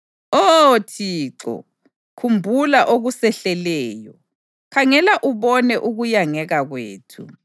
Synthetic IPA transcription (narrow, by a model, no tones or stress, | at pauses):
otʰiːǁɔ̰ | kʰumbʱulaʔoɣusɛɬɛlɛːjɔ̰ | kʰaŋɛlaʔuβɔnɛʔuɣujaŋɛɣaɣwḛːtʰṵ